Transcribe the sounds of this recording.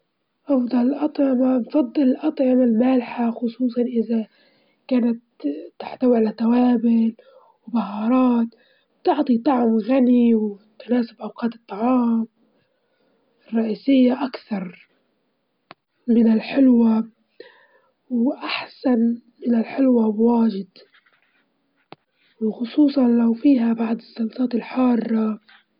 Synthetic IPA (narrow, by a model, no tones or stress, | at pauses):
ʔɑfd̪ˤɑlɪlʔɑt̪ˤʕɪmanfɑd̪ˤːɨlɪlʔɑt̪ˤʕɪmalmaːlħaxʊsˤuːsˤɑnʔɪða | kaːnat̪ːaħt̪awiʕalat̪ːawaːbɪl | wbahɑːɾˤɑːt̪ | b̥t̪ɪʕt̪ˤit̪ˤɑʕmɣaniwt̪naːsɪbʔawqɑːt̪ɨt̪ˤːɑʕɑːm | ɪrˤːɑʔiːsɪjːaʔakθɑɾˤ | mɪnɪlħɪlwa | wʔaħsanmɪnɪlħɪlwabwaːʒɪd̪ | wɪlxʊsˤuːsˤɑnlawfiːɦabaʕd̪ɪsːɑlt̪ˤɑːt̪ɪlħɑːrˤːɑ